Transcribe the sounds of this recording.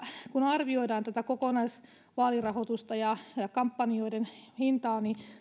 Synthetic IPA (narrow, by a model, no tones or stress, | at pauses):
kunɑrʋioidɑːnt̪æt̪ækokonɑis | ʋɑːlirɑhot̪ust̪ɑjɑɑkɑmpːɑnioidenhint̪ɑːni